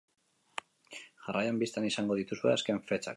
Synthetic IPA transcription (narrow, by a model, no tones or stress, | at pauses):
ʝarajambist̪anisaŋɡo̞ðit̪usue̞̰aske̞ɱfe̞t͡ʃa̰k